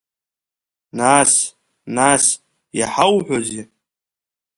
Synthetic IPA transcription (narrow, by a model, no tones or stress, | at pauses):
nas | nas | jaħawħʷozi